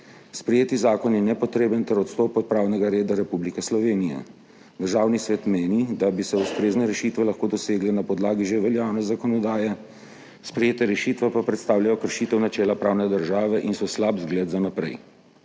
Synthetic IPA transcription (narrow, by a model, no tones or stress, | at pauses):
spɾɛjeːt̪izaːkɔnjɛnɛpɔt̪ɾeːbənt̪ɛɾɔt̪st̪ɔːpɔt̪̚pɾaːwnɛɡaɾeːd̪aɾɛpublikɛslɔʋeːnijɛ̰ | d̪əɾʒaːwnisʋeːt̪meːnid̪abisɛust̪ɾeːznɛɾɛʃiːt̪ʋɛlaxkoːd̪ɔseːɡlɛnapɔd̪laːɡiʒeʋɛljaːwnɛzakɔnɔd̪aːjɛ | spɾɛjeːt̪ɛɾɛʃiːt̪ʋɛpapɾɛt̪st̪aːwljajɔkəɾʃiːt̪ɛwnat͡ʃɛːlapɾaːwnɛd̪əɾʒaːʋɛʔinsɔslabzɡled̪zanapɾɛ̰j